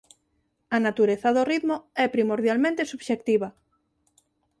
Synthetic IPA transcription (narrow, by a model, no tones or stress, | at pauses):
anat̪uɾeθaðoriðmoɛpɾimoɾð̞jalmẽnt̪esuβʃek̚t̪iβa